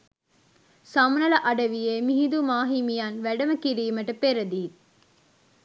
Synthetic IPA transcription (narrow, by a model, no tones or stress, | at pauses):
sɐmnɐlɐʔɐɖɐʋijeːmiɦid̪umaːɦimijanʋæɖɐməkiɾiːmɐʈɐpeɾɐd̪iː